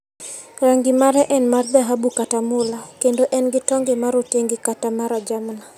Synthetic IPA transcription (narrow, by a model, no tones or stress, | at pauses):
raŋɡɪmaɾɛʔɛnmard̪aɦabukatamʊlakendoʔɛnɡɪtɔŋɡɪmaɾoteŋɡɪkatamaɾad͡ʒamna